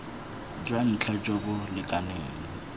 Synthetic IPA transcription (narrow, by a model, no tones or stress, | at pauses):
d͡ʒwan̩t͡ɬʰad͡ʒobʊlɪkʼaneːŋ̩